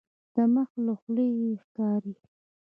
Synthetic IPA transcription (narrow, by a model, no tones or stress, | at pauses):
d̪̥əməxloxleexkɑɾi